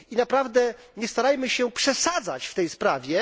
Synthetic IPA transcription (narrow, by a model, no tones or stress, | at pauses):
inapɾavd̪ɛ | ɲɛst̪aɾajmɘɕɛpʂɛsad̪za̰t͡ɕft̪ɛjspɾavʲjɛ